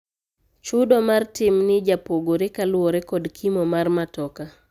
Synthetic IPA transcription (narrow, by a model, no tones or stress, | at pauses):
t͡ʃʊdomartɪmnɪd͡ʒapoɡoɾɪkalwɔɾɛkɔdkʰimomarmatɔka